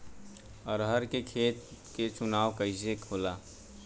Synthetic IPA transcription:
əɾɦəɾkekʰeːt̪ket͡ʃʊnaːʋkəɪs̬ekʰoːlaː

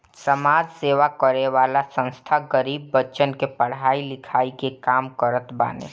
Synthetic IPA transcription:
səmaːd͡ʒseːʋakəɾeʋaːlasə̃nst̪ʰaɡəɾiːbːəʃənkepəɽ̤aːilɪkʰaːikekaːmkəɾət̪ba̰ːnḛ

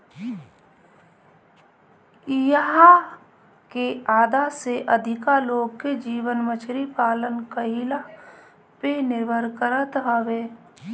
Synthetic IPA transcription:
jəɦa | keaːd̪aseʔəd̪ʱɪkaloːɡ̚ked͡ʒiːʋənmət͡ʃʰɾipaːlənkəɦila | penɪɾbʱəɾkəɾət̪ɦəʋeː

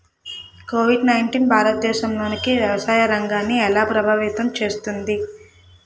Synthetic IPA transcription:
koːʋiɖnɐjɳʈiːnbʱaːɾɐt̪ɐd̪ɛːʃɐmlo̞ːnikiʋjɐʋɐsaːjɐɾɐŋɡaːnːiɛlaːpɾɐbʱaːʋit̪ɐmt͡ʃe̞ːst̪und̪i

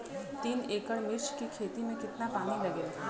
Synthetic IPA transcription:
t̪ineːkəɽmɪɾt͡ʃkikʰeːt̪imẽkɪt̪napaːnilɐɡeːla

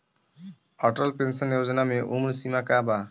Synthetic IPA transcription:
ɔʈɔlpensɔnjozɔnameʔumɾsimakaba

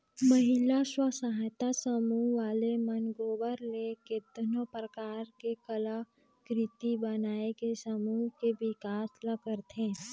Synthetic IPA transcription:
məɦɪlaswəsaɦjt̪asəmuʋaːlemənɡoːbəɾlekɪt̪nõpɾəkaːɾkekəla | kɾɪt̪ibənaːekesəmuɦkebɪkaːsləɡəɾt̪ʰẽː

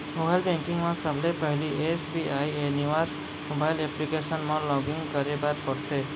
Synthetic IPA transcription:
mobalbẽŋkiŋɡmãsəbʱlepʌɦiliʔesbiʔaieniwaɾ | mobajleplikesənmãlɔɡiŋɡkʌɾebat̪pʌɾt̪ʰe

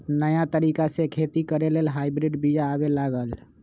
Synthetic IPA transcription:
nəjat̪əɾikasẽkʰet̪ikəɾelelɦajbɾiɖbijaːbelaɡəl

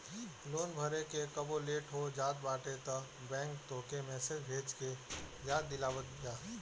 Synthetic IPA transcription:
loːnbʱəɾekekəboleːʈɦod͡ʒaːd̪baːʈet̪ə | bɛ̃ːŋk̚t̪oːkemɛːsed͡ʒbʱeːd͡ʒkejaːd̪̚ːɪlaːwət̪̚ɡijaː

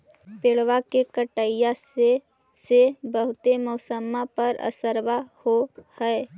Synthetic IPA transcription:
peːɽwakekəʈəja | sebəɦʊt̪emɔːsəmapəɾə̰səɾbahohɛe

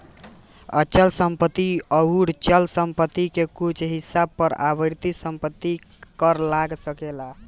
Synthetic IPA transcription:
ət͡ʃəlsəmpət̪iəuɽt͡ʃəlsəmpət̪ikekut͡ʃʰɦisab̚pəɾa̰bəɾt̪isəmpət̪ːi | kəɾlaɡsəkela

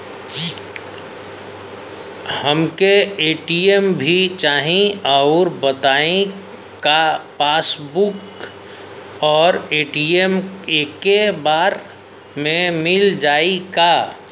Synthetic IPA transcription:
həmkeeːʈiembʱit͡ʃaːɦĩɔʊɾbət̪aːẽ | kapaːsbuk | ɔːɾeːʈiemeːkːebaːɾ | mẽmɪld͡ʒaːika

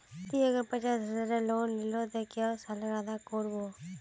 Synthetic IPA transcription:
t̪iːəɡəɾpət͡ʃaːsɦəzaːɾẽːloːnlɪloːt̪əkjaːsaːlɾaːd̪aːkoːɾboː

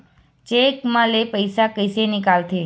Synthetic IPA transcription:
t͡ʃekmãlepəjsakəjsenɪkalt̪ʰi

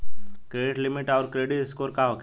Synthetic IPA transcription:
kɾeːɖɪʈlɪmɪʈɔːɾkɾeːɖɪtɪskoːɾkaʋək

